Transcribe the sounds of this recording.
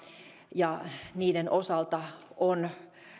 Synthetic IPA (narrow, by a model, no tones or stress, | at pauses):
jɑniːdenʔosɑlt̪ɑon